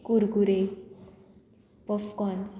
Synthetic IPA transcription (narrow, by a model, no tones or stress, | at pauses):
kuɾɡuɾe | pɔfkɔns